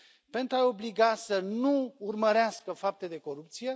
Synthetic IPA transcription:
pe̞nt̪ɾuao̞bliɡasənuːrməɾeaskəfap̚t̪e̞d̪e̞ko̞ɾup̚t̪sije̞

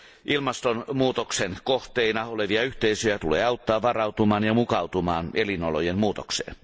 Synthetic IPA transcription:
ʔilmɑst̪onmuːt̪oksenkoht̪einɑoleʋiɑyht̪eisøjæt̪ulḛːɑut̪ːɑːʋʋɑrɑut̪umɑːnjɑmukɑwt̪umɑːnelinolojemmuːt̪oksḛːn

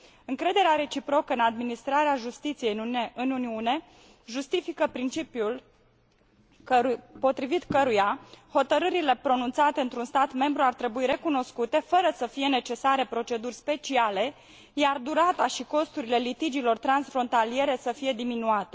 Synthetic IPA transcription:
ɨŋkɾe̞d̪e̞ɾeaɾe̞t͡ʃipɾo̞kəɨnad̪minist̪ɾaɾeaʒust̪it̪sije̞ɨnuniune̞ | ʒust̪ifikəpɾint͡ʃipjul | kəupo̞t̪ɾivit̪kəɾujaho̞t̪əɾɨɾile̞pɾo̞nunt̪sat̪eɨnt̪ɾunst̪at̪me̞mbɾuart̪ɾe̞buiɾe̞kuno̞skut̪e̞fəɾəsəfije̞ne̞t͡ʃe̞saɾe̞pɾo̞t͡ʃe̞d̪urʲspe̞t͡ʃiale̞ | jard̪uɾat̪aʃiko̞st̪uɾile̞lit̪id͡ʒilo̞rt̪ɾansfɾo̞nt̪alije̞ɾe̞səfije̞d̪iminuat̪e̞

